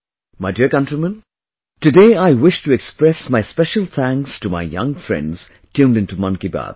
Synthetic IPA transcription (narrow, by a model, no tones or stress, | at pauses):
maɪdiəɾkʌ̃ntɾimə̃n | tɨdeɪaɪwɪʃtuɛkspɾɛsmaɪspɛʃəlˠt̪ʰæ̃ŋkstuma̰ɪjʌ̰̃ŋfɹɛ̰̃ndz̥ | tʰjũːmdɪ̃ntumʌ̃nkiba̰d̪